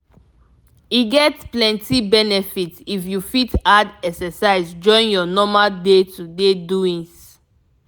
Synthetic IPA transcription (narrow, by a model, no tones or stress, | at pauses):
iɡɛtplɛ̃ntibɛnɛfitifjufitadɛksɛsaɪsd͡ʒɔ̃ɪ̃njɔnɔmaldetudeduĩns